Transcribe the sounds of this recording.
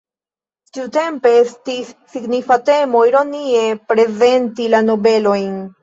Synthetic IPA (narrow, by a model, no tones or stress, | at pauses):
tiute̞mpe̞estisːiɡnifate̞mo̞jɾo̞nie̞pɾe̞ze̞ntilano̞be̞lo̞jn